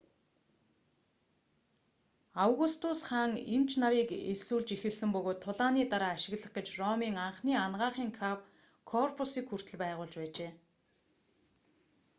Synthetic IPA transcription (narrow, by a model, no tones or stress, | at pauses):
awɣust̪ʰʊsχaːŋim̥t͡ɕʰnaɾiːkesuːɮt͡ɕixɘ̆ɮsɘ̆mpɵɣoːt̪ʰːʊɮaːniːt̪aɾaːʃɪ̆ɣɮə̆χɡĕt͡ɕrɔmiːŋaɴχniːanɢaːχiːŋkʰap | kʰɔrpʰʊsiːkxur̥t̪ʰɘ̆ɮpæːʁʊːɮt͡ɕpæːt͡ɕeː